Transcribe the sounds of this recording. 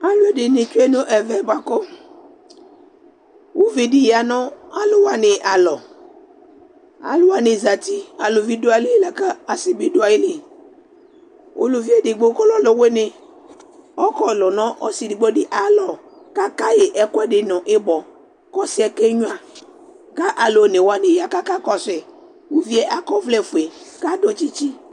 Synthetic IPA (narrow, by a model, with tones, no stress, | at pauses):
a˨lʊ˦e˨˦dɪ˨nɪ˨t͡ʃu˦e˦nʊ˦ʔɛ˨vɛ˨˦ba˨kɔ˦ | wu˦vi˨dɪ˦jɪ˨a˨nɔ˦a˦lʊ˨wa˨nɪ˨ʔa˨lɔ˨ | a̰˨lʊ˦wa˨nɪ˨za˨ti˦a˨lʊ˨vi˦dʊ˦a˦˨˦lɪ˦la˨ka˦a˨sɪ˨bi˦dʊ˦a˨jɪ˦li˨ | o̰˨lo˨vi˦e˦dɪ˨ɡ͡bo˨˦kɔ˦lɔ˦lɔ˨we˦nɪ˨ | ɔ˦kɔ˦˨lɔ˨nɔ̃˦ʔɔ˦si˨dɪ˨ɡ͡bo˦dɪ˦ʔa˨lɔ˨ | ka˦ka˦je˨ʔɛ˨kʊ˦ɛ˦dɪ˨nʊ˨ʔɪ˦bɔ˨ | kɔ˦sɪ˨˦ɛ˨ke˦ɲʊ˦a˨ | ka˦ʔa˨lo˨ne˨wa˨nɪ˨ja˦ka˦ka˦kɔ˨sɪ˨ | wu˦vi˦ɛ˦ʔa˨kɔ˦vlɛ˦˨fu˨e˨ka˦do˨t͡ʃi˦t͡ʃi˦